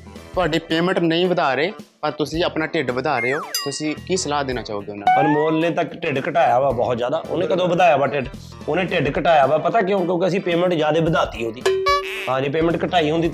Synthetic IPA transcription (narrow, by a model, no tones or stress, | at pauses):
t̪ʊaːɖiːpeːmə̃ɳʈnəĩːʋəd̪aːɾeːpəɾt̪ʊsĩːəpnaːʈeɖbəd̪aːɾeːoːt̪ʊsĩːkiːsəlaːd̪eːnaːt͡ʃaːoːɡeːʊnaənmoːɾnẽːt̪əkʈɪɖkəʈaːjaːʋaːbɔːt̪zjaːd̪aːʔo̰ːnẽːkəd̪õːbəd̪aːjaːbaːʈeɖ | oːnẽːʈeɖkəʈaːjaːʋaːpət̪aːkjõːkjõːkeəsĩːpeːmə̃ɳʈzjaːd̪eːbəd̪aːt̪iːɦõːd̪iːɦãːd͡ʒiːp̬eːmə̃ɳʈkəʈaːiːɦʊ̃nd̪iː